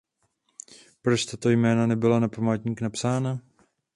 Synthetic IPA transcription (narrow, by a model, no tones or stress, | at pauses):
pɾot͡ʃt̪at̪o̞jmɛːnanɛbɪlanapamaːt̪ɲiːknapsaːna